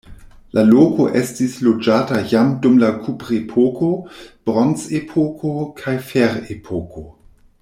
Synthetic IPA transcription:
lʔalokoʔestislod͡ʒaːtajamdumlakʰupɾepʰoko̞b̥ɾont͡sepʰokʰokʰajfeɾepʰoko

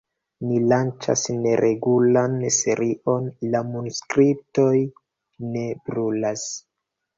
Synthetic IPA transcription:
nilant͡ʃa̰sne̞ɾʔe̞ɡulanse̞ɾiʔo̞nlamunuskɾip̚to̞j | ne̞bɾulas

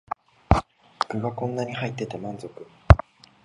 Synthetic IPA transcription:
kɯ̟ɡakõ̞nːaɲ̟ihait̪ːe̞t̪e̞mãnzo̞kɯ̟̥

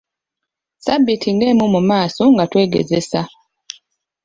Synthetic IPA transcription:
sabitʰiŋɡɛːmumumaːsoŋɡatweːɡḛzesa

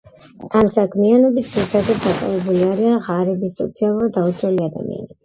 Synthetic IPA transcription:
amsakʰmianɔbit̪̚d̪ziɾit̪ʰad̪at̪̚d̪akʼa̰vɛbuliaɾianʁaɾɛbisːɔ̰t̪sʰialˠuɾad̪aut͡ʃʰɾɛliad̪a̰mḭa̰nɛbi

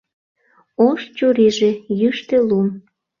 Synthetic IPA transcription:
oʃt͡ɕuɾiʒejyʃt̪elum

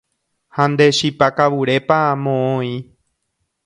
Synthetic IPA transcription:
hãnd̪e̞ʃipakaʋuɾe̞pamõõĩ

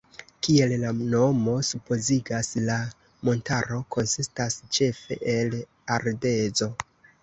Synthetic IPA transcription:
kie̞llano̞mo̞supo̞ziɡasla | mo̞ntaɾo̞ko̞nsistast͡ʃe̞fe̞̰ʔel | aɾde̞zo̞

